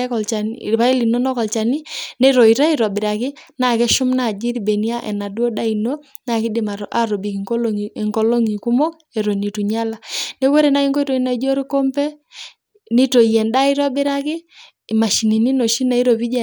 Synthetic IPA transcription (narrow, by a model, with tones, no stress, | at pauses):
kɔ˨lt͡ʃa˨n˨pa˦i˦li˨no˦nɔ˦kɔ˨lt͡ʃa˨ni˦nɛ˦ɾɔ˨i˨ɾa˦i˨ɾɔ˨bɪ˨ɾa˨kɪ˦na˨kɛ˦ʃʊ˦mna˨d͡ʒi˦ɾbɛ˨ni˦a˦ʔɛ̰˨na˨dwɔ˦da˦i˨no˦ | na˨kɪ˦dɪ˨ma˨ʔa˨ɾo˨bi˨ki˨ŋko˦lŋkɔ˨lo˦ŋi˨ku˦mɔ˦k | ɛ˨ɾo˨ni˨tu˨ɲa˦la˨nɛ˦we˦ɾɛ˨na˨˦i˦ŋɡɔ˦i˦to˨i˦na˨d͡ʒo˦ɾi˦kɔ˦mpɛ˦ | ni˦to˨jɛ˨nda˦i˦ɾɔ˦bɪ˦ɾa˦kɪ˦˨ | ma˨ʃi˨ni˨ni˦no˨ʃi˦na˨i˦ɾo˨pi˦d͡ʒɛ˨